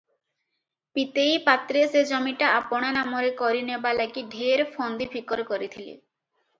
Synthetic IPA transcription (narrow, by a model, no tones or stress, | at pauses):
pit̪ejpat̪ɾesed͡ʑɔmiʈaapoɽ̃anamoɾekɔɾinebalaɡiɖʱeɾfʰɔnd̪ibʰʱikɔɾkɔɾit̪ʰilḛ